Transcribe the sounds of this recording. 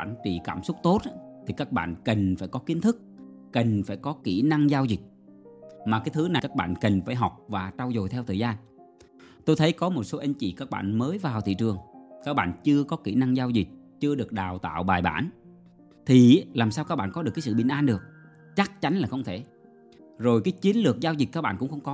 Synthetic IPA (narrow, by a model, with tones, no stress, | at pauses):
a̰ː˧˨nt͡ɕḭ˧˨kaː˧˩msʊ˦˥k͡p̚t̪o˦˥t̚ʔa˨˦˥t̪ʰi˨˩kaː˦˥k̚ɓa̰ː˧˨nkə˨˩ŋ̟faː˧˩jkɔ˨˦ki˨˦nt̪ʰɨ˦˥k̚ | kə˨˩ŋ̟faː˧˩jkɔ˨˦ki˧˩na˧ŋzaː˧wzi˨˩k̚ | maː˨˩kaː˨˦jt̪ʰɨ˨˦na˨˩kaː˦˥k̚ɓa̰ː˧˨nkə˨˩ŋ̟faː˧˩jɦɔ˨˩wk͡p̚vaː˨˩t͡ɕaː˧wzo˨˩jt̪ʰɛ˧wt̪ʰəː˨˩zaː˧n | t̪o˧jt̪ʰə˨˦jkɔ˨˦mo˨˩t̚so˨˦ʔa˨˧˦ŋ̟t͡ɕḭ˧˩kaː˦˥k̚ɓa̰ː˧˨nməː˨˦jvaː˨˩wt̪ʰḭ˧˨t͡ɕɨ˨˩əŋkaː˦˥k̚ɓa̰ː˧˨nt͡ɕɨ˧əkɔ˨˦ki˧˩na˧ŋzaː˧wzi˨˩k̚t͡ɕɨ˧əɗɨ˨˩ək̚ɗaː˨˩wt̪a̰ː˧˨wɓaː˨˩jɓa̰ː˧˨n | t̪ʰi˨˩˦laː˨˩msaː˧wkaː˦˥k̚ɓa̰ː˧˨nkɔ˨˦ɗkaː˨˦sɨ̰˧˨ɓï˨˩ŋ̟ʔaː˧nɗɨ˨˩ək̚ | t͡ɕa˦˥k̚t͡ɕa˨˦nlaː˨˩xə˧wŋ͡mt̪ʰe˧˩ | zo˨˩jkaː˨˦jt͡ɕi˨˦ənlɨ˨˩ək̚zaː˧wzi˨˩k̚aː˦˥k̚ɓa̰ː˧˨nkʊ̰˧˥ŋ͡mxə˧wŋ͡mkɔ˨˦